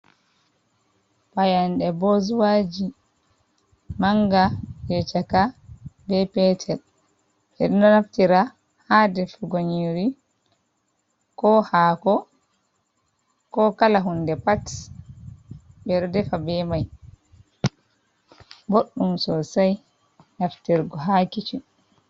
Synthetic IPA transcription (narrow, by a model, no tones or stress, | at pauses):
pajanɗɛbozwad͡ʒi | maŋɡajɛt͡ʃakabɛpɛtʰɛl | ɓɛɗɔnɔnaftiɾa | hadɛfuɡoɲiɾi | kɔhakɔ | kɔkalaɦundɛpat | bɛɾdɛfabɛmaj | boɗːumsɔsaj | naftiɾɡɔɦakit͡ʃi